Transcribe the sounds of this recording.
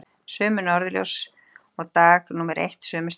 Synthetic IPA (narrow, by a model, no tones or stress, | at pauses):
sœːmʏnɔɾðljo̰ws | ɔɣt̪aːɣnuːmɛɾʔḛjht̪sœːmʏs